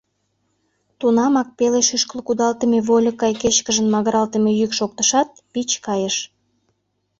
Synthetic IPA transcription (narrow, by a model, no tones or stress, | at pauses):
t̪unɑmɑk̚peleʃyʃkəlkud̪ɑlt̪əmeβolʲəkːɑjket͡ɕkəʒənmɑɣəɾɑlt̪emejykʃok̚t̪əʃɑt̪̚pit͡ɕkɑjəʃ